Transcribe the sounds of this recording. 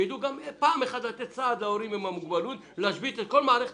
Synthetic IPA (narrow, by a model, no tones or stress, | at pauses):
id̪uɡampaːmeχad̪lat̪ett͡saːd̪laoɾimimamuɡbalut̪ | laʃbit̪et̪̚ko̞lmaːɾeχ